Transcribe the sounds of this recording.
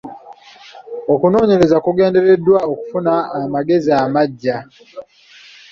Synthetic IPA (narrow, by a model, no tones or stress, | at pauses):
o̞kuno̞ːɲe̞ɾe̞zakuɡe̞ːnde̞ɾe̞dːwaoku̥funaːmaɡe̞ziaːmaɟːa